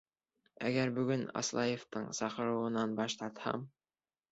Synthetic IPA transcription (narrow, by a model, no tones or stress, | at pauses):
æɡæɾbɵ̆ɡɵnɑ̰slˠɑjeft̪ɤɴsɑqɤ̆ɾɤ̆wɤ̆nɑnbɑʃt̪ɑɾt̪hɑ̰m